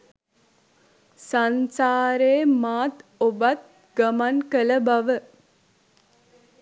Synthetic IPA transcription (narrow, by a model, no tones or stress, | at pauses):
sansaːɾeːmaːt̪obat̪̚ | ɡamankələbaʋə